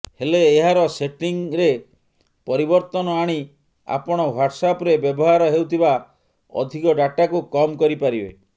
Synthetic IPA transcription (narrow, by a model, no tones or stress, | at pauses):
heleːɦaɾɔseʈiŋɾe | pɔɾibɔɾt̪ɔnɔaɽ̃i | a̰pɔɽ̃ɔwaʈsapɾebjɔbɔɦaɾɔɦewt̪ʰiba | ɔ̰d̪ʱikɔɖaʈakukɔmkɔɾipaɾibe